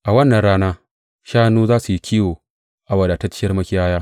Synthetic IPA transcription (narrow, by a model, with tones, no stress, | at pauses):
ʔa˨wɐ˦nːɐ˨nɽaː˦naː˦ | ʃaː˦nuː˦zaː˦su˨ji˦kʲiː˦woː˨ | ʔa˨wɐ˨daː˨ta˦t͡ʃɪ˦jɐ˦rmɐ˦kʲɪ˦jaː˦jaː˦